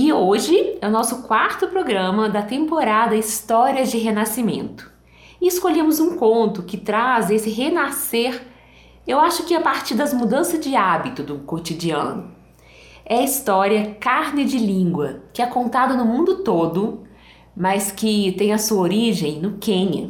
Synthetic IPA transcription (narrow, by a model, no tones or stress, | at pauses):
ɪoʒɪɛʊnɔsʊkwaɾt̪ʊpɾoɡɾɐ̃mɐd̪ɐt̪ẽmpoɾad̪ɐist̪ɔɾiɐd͡ʒɪɦenasimḛ̃nt̪ʊ̥ | ɪɪskoʎẽmʊzũkõnt̪ʊkɪt̪ɾazesɪɦenaseɾ | ewaʃʊkɪapaɾt͡ʃiɾd̪ɐzmud̪ɐ̃sɐzd͡ʒɪabit̪ʊd̪ʊkot͡ʃid͡ʒiɐ̰̃nʊ | ɛɐist̪ɔɾiɐkaɾnɪd͡ʒɪlĩŋɡwɐkɪɛkõnt̪ad̪ɐnʊmũnd̪ʊt̪od̪ʊ | mɐskɪt̪ẽj̃ɐsuɐoɾiʒẽj̃nʊkẽɲɐ̰